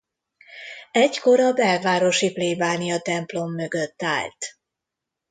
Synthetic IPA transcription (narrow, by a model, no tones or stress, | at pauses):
ɛcko̞ɾɒbɛlvaːɾo̞ʃipleːbaːniɒt̪ɛmplo̞mːø̞ɡøt̪ːa̰ːlt̪